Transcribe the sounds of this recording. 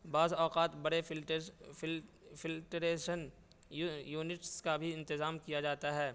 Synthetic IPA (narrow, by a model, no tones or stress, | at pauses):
baːzɔːqaːt̪bɐɽe | fɪlʈɾeːʃən | juːnɪʈskabʱiɪ̃nt̪ɪzaːmkijad͡ʒaːt̪aɦɛː